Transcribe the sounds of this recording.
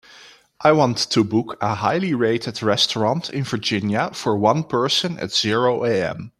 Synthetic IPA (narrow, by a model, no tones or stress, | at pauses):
ʔaɪwɑ̃ntʰːubʊkʰəɦaɪliɹeɪtɨdɹɛstəɹɑ̃ntʰɪ̰̃nvə˞d͡ʒɪ̃njəfəɹwʌ̃npʰɜ˞sə̃nɨ̰tz̥ɪɹoʊʔeɪɛ̰̃m